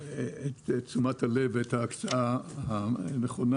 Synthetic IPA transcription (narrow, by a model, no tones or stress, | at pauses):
etet͡sumathaleveethaːkt͡saahaneχon